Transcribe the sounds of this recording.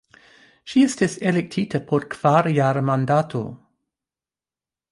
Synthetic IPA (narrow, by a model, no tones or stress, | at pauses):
ʃiesteselek̚tʰitapʰoɾkv̥aɾjaɾmandatʰo̰